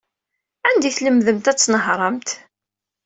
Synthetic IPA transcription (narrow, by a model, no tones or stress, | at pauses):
ænd̪iθləmðəmt̪æt͡sːnəɦɾˤəmt̪